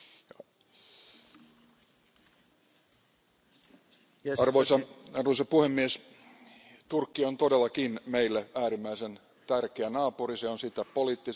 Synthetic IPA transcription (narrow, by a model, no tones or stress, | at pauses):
ɑrosɑɑrʋosɑpuhemːies | t̪urkːiont̪odelːɑkinmeilːeæːɾimːæisen | t̪ærkeænɑːpuriseonsit̪ːæpoliːt̪ːi